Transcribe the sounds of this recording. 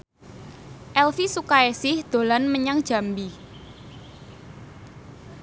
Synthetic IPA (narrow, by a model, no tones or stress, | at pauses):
ʔɛlfisukaesɪhd̪̥o̤lanməɲaŋd̥ʒ̥a̤mbi